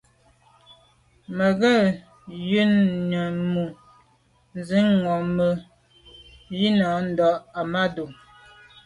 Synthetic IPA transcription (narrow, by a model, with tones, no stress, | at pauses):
mə˨ɣə˦˨ | jʉ˦nɲə˨mu˨ | n˦zi˦ŋɔ˨mə˨ | ji˦na˨˦n̩˨dɔ˨ʔa˨ma˦du˨